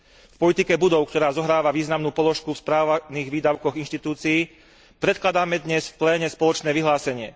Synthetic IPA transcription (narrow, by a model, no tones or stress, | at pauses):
fpɔlit̪ikɛbud̪ɔʊkt̪ɔɾaːzɔɦɾaːʋaʋiːznamnuːpɔlɔʃkufspɾaːʋaniːɣʋiːd̪aʊkɔɣinʃt̪it̪uːt͡siiː | pɾɛt̪klad̪aːmɛd̪ɲɛsfplɛːɲɛspɔlɔt͡ʃnɛːʋiɦlaːsɛɲɪɛ